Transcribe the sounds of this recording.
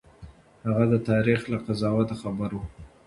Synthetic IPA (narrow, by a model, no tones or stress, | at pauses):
haɣad̪ət̪ɑɾixlaqazɑwat̪axabaɾwu